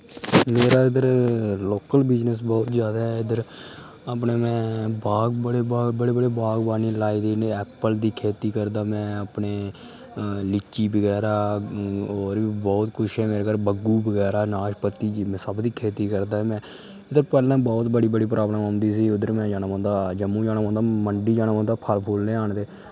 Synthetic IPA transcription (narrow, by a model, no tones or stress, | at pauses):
meːɾaːɪd̪əɾloːkəlbɪd͡ʒnəs̬bɔːt̪zjaːd̪aːɦɛɪd̪əɾ | əpneːmɛ̃ːbaːɡbəɽeːbbəɽeːbəɽeːbaːɡbaːniːlaːiːd̪eːnẽɛːpəld̪iːkʰeːt̪iːkəɾd̪aːmɛ̃ːəpneː | lɪt͡ʃːiːbəɡɛːɾaː | oːɾbiːbɔːt̪kʰʊʃɛːmeːɾeːkəɾbəɡuːbəɡɛːɾaːnaːʃpət̪ːiːd͡ʒimɛ̃ːsəbd̪iːkʰeːt̪iːkəɾd̪aːɦɛmɛ̃ː | ɪd̪əɾpɛːlãːbɔːt̪bəɽiːbəɽiːpɾʔaːbnãːãːnd̪iːs̬iːʊd̪əɾmɛ̃ːd͡ʒaːnaːbãːnd̪aːd͡ʒəmũːd͡ʒaːnaːãːnd̪aːməɳɖiːd͡ʒaːnaːʋãːnd̪aːpʰəlpʰoːlnẽːaːɳd̪eː